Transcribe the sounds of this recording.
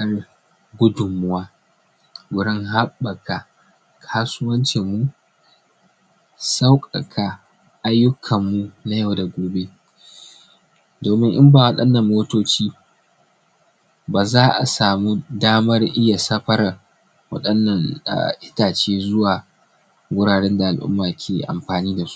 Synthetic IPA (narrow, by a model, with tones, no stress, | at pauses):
ɐ˦r | ɡʷʊ˦dʊ˨mːʊ˦waː˦ | ɡʷʊ˨ɽɪ˦ŋɦa˦ɓːɐ˨ka˨ | kʰaː˦sʊ˦wɐ˦nt͡ʃe˨mːu˦ | sa˦wkʼɐ˨kʰa˨ | ʔa˦jːʊ˦kʰɐ˨mːu˦na˨jɐ˦˨wda˨ɡʷoː˨be˦ | doː˨mɪ˦ŋʔɪ˦mbaː˨wɐ˦ɗɐ˦nːɐ˨mːoː˦toː˦t͡ʃiː˦ | baː˨zaː˦ʔa̰˨saː˨mu˦daː˦mɐ˦rʔɪ˦ja˨sɐ˦ɸɐ˦ɾa˨ | wɐ̰˦ɗɐ˦nːɐ˦˨ŋa̰˨ʔɪ˦taː˨t͡ʃeː˦zʊ˦waː˨ | wɡʷʊ˦ɽaː˨ɽɛ˦nda˨ʔa˨lʔʊ̰˦mːaː˨kʲʰeː˨ʔa̰˨mɸaː˨niː˦da˨su̥˦